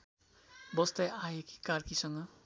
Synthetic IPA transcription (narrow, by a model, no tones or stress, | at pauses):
bʌst̪ajajeki̥karkisʌŋɡʌ